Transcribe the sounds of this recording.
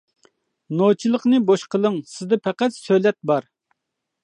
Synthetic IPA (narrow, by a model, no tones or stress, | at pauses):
not͡ʃʰilˠəqnɨboʃqʰəlˠəŋsɪzd̪ɛpʰɛqæt̪søjlɛt̪̚bɑɾ